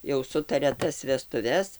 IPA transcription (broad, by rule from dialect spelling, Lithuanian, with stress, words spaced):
jɛʊ ˈsʊtɐrʲɛ ˈtɐs ʋʲɛstʊˈʋʲɛs